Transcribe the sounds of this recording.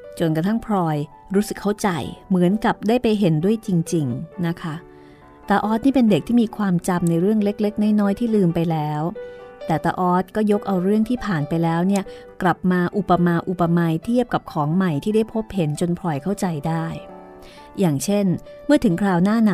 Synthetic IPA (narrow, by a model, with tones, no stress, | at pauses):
t͡ɕo˧nka˧t̪ʰa˥˩ŋpʰɾɔː˧j | ɾuː˦˥sɯ˨˩kʰːa˥˩wt͡ɕa̰˧jmɯ˩˦ənka˨˩p̚daː˥˩jpa˧jɦe˩˦ndu˥˩əjt͡ɕi˧ŋt͡ɕi˧ŋna˦˥kʰa˦˥ | t̪aː˧ʔɔː˦˥t̪̚niː˥˩pe˧nde˨˩k̚t̪ʰiː˥˩miː˧kʰwaː˧mt͡ɕa˧mna˧jɾɯ˥˩əŋle˦˥k̚le˦˥k̚na˥˩jnɔː˦˥jt̪ʰiː˥˩lɯː˧mpa˧jlɛː˦˥wt̪ɛː˨˩t̪a̰ː˧ʔɔː˦˥t̪̚kɔː˥˩jo˦˥k̚ʔa˧wɾɯ˥˩əŋt̪ʰiː˥˩pʰaː˨˩npa˧jlɛː˦˥wni˥˩ɐ | kla˨˩p̚maː˧ʔu˨˩pːa˧maː˧ʔu˨˩pːa˧maː˧jt̪ʰi˥˩əp̚ka˨˩p̚kʰɔː˩˦ŋma˨˩jt̪ʰiː˥˩daː˥˩jpʰo˦˥p̚he˩˦nt͡ɕo˧npʰɾɔː˧jkʰa˥˩wt͡ɕa˧jdaː˥˩jː | aː˨˩ŋt͡ɕʰe˥˩n | mɯ˥˩ɐt̪ʰɯ˩˦ŋkʰɾaː˧wnaː˥˩na˧˩